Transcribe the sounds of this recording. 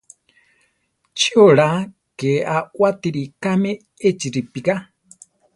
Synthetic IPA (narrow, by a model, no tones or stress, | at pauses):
t͡ʃioɺa | keʔawat̪iɾikame | et͡ʃiɾipika